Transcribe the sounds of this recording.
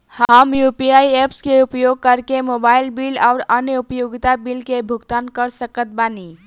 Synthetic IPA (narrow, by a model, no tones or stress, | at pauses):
hɦəmjupiajepskeupjoɡ̚kəɾkemobailbilaʊɾənjəupəjuɡt̪abilkebʱuɡt̪ankəɾsəkət̪̚bani